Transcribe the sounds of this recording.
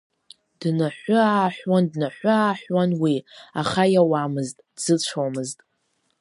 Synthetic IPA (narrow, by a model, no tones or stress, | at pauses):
d̥naħʷʊaːħʷᶣwandnaħʷʊaːħᶣwanwiaχajawamɨztʼdz̥ɨt͡ɕʷʰomɨztʼ